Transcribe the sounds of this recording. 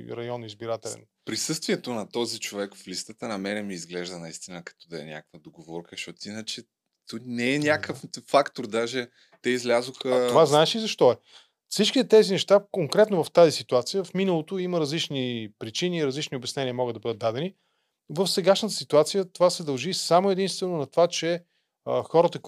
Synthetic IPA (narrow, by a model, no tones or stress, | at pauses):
ɾɐjɔnizbiɾat̪ɛlɛ̰n | pɾisɤst̪viɛt̪onɐt̪ɔzit͡ʃovɛkflist̪ət̪ənɐmɛɾɛmiːzɡlɛʒd̪ənɐist̪inəkɐ̥t̪ɔd̪ɐɛ̰nʲa̰kəkvəd̪oɡovɔɾkəʃɔt̪inət͡ʃɛ | t̪unɛːnʲakəffakt̪oɾd̪aʒɛ | t̪ɛizlʲazoxəaovaznaɛʃiːzɐʃt̪ɔɛ | fsit͡ʃkʲit̪ɛt̪ɛzinɛʃt̪akoŋkɾɛt̪novɐft̪azisit̪uat̪sijəfminəlˠot̪oiməɾɐzlit͡ʃnipɾit͡ʃiniːɾɐzlit͡ʃniobɐsnɛniəmɔɡəd̪ɐbɤd̪ət̪ːad̪ɛni | vəfsɛɡaʃnət̪ə̥sit̪uat̪sijət̪ovasɛd̪ɐlˠʒisamoɛd̪inst̪vɛnonɐt̪ovat͡ʃɛ | əxɔɾət̪ək